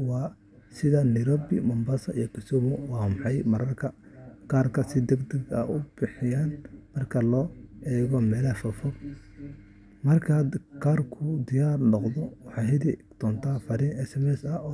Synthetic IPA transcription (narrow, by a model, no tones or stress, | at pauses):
wɑː | sɪðɐnɪɾɔbɪ̰mɐmbɐsɐḭjɔkʰɪsɔmʊwɑːmɑħɑjmɐɾɐrkʰɐkaːrkʰɐsɪd̪ɛɡd̪ɛɡɐ̰ʔʊb̥ɪħɪjaːnmɐrkʰɐlɔːʔɛːɣɔmɛːlɐfɐfɔb | mɐrkʰad̪kʰaːrkʰʊd̪ɪjaːrnɔqðɔwɑħɑːɦɪði | t̪ʰɔːnt̪ʰaːfɐɾiːnɛsɛmɛsɐɔː